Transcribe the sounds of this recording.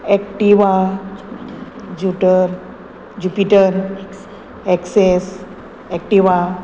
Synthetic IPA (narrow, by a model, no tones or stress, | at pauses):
ɛk̚ʈiʋa | d͡ʒuʈəɾ | d͡ʒupiʈəɾ | ɛkses | ɛk̚ʈiʋa